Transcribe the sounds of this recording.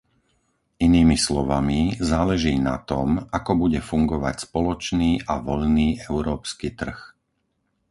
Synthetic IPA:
iniːmislɔʋamizaːlɛʒiːna̰t̪ɔmakɔbuɟɛfuŋɡɔʋa̰cspɔlɔt͡ʃniːʔaʋɔʎniːʔɛʊɾɔːpskiːt̪r̩x

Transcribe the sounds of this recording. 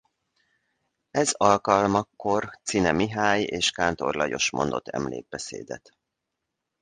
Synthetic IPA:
ɛzɒlkɒlmɒkːo̞rt̪sinɛmiɦaːjeːʃkaːnt̪o̞rlɒjo̞ʃmo̞nd̪o̞t̪ʰːɛ̰mlḛːɡ̚bɛsḛːd̪ɛt̪

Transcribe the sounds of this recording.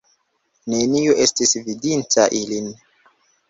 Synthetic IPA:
ne̞nioʔe̞stisvidintaʔilin

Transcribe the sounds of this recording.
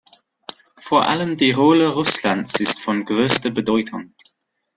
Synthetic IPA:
foːɐʔa̰ləmdiːʁoːləʁʊslansɪstfɔnɡʁøːstəbədɔʏtʰʊŋ

